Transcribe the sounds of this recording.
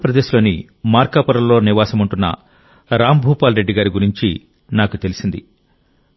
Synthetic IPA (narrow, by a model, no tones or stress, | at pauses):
ɐpɾɐd̪eːʃlo̞ːni | maːɾkaːpɐɾɐllo̞ːniʋaːsɐmuɳʈunːɐ̰ | ɾaːmbʱuːpaːlɾeɖːiɡaːɾiɡuɾiɲt͡ʃi | naːkut̪e̞lisind̪i